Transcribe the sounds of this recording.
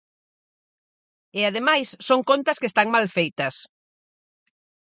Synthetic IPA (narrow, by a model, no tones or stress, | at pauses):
eað̞emajsːoŋkont̪ɐskest̪aŋmalfejt̪ɐs